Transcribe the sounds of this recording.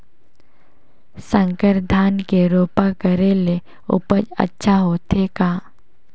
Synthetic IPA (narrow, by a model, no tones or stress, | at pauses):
sə̃ŋkəɾd̪ʱaːnkeɾoːpakəɾele | ʊ̰pəd͡ʒə̰tːʃʰaɦoːt̪ʰekaː